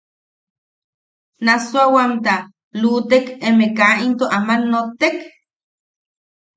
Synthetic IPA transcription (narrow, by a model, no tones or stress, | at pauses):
nasoawamt̪a | lut̪ekemekaint̪oʔamanːot̪ːek